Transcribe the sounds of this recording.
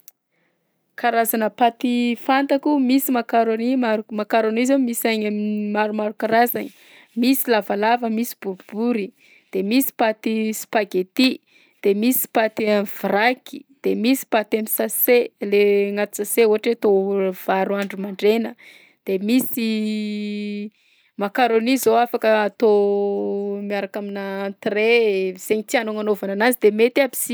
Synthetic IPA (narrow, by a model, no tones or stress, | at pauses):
kaɾazanəpat̪ifant̪akumisimakaɾonimaɾmakaɾonizamisaɲamimaɾumaɾukaɾazanə | misilavalavəmisi̥b̥uɾub̥uɾi | d̪̥emisi̥pat̪isi̥paɡet̪i | d̪̥emisi̥pat̪amiv̥raki̥d̪̥emisi̥pat̪amisaseleŋat̪i̥saseuɦaʈ͡ʂet̪ov̥aɾuaɳɖ͡ʐumaɳɖ͡ʐenə | d̪̥emisi | makaɾonizoafakəat̪o | miaɾakaminat̪rez̥eɲit̪ianoŋanovananazid̪emet̪abi̥si